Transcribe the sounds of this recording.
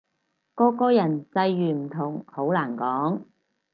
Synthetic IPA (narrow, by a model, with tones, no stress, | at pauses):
kɔː˧kɔː˥jɐ˨˩nt͡sɐ˧jːyː˨˩m̩˨˩t̪ʰʊ˨˩ŋho˨˥wlaː˨˩nkɔː˨˥ŋ